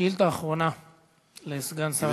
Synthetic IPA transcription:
ilt̪aːχʁona | leisɡansa

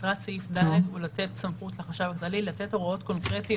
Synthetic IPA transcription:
tʁat͡saifd̪aledulat̪etsamχutleχaʃavaklalilat̪e̞to̞ʁao̞tko̞nkʁeti

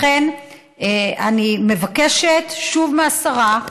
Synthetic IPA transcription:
en | a̰nime̞vakeʃet̪ʃuvmeasaʁa

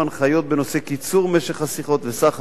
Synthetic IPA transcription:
anχajo̞t̪̚be̞no̞se̞kit͡suʁme̞ʃe̞χhasiχo̞t̪vesaχ

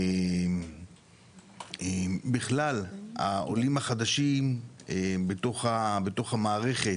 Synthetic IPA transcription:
em | ebiχlalha̰ʔo̞̰limhaχad̪aʃimebet̪o̞χabet̪o̞χhamaːʁe̞χe̞

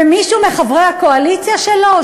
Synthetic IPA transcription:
emiʃume̞χabʁahako̞alit͡sjaʃelo

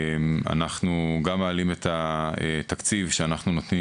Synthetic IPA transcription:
ma̰naχnuɡamaːlimet̪ʰaet̪akt͡sivʃeanaχnuno̞t̪ni

